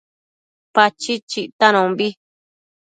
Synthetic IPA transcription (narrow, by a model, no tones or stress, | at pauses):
pat͡ʃit͡ʃiʔt̪anõβi